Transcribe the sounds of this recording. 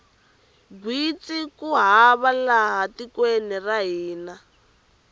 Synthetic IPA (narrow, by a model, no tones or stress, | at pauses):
bwit͡sikuɦaβalaɦatikwenɛraɦiːna